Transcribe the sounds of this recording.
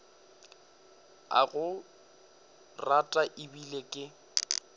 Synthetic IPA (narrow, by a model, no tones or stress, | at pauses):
a̰ɣʊ | ratʼaʔɪbilekʼɪ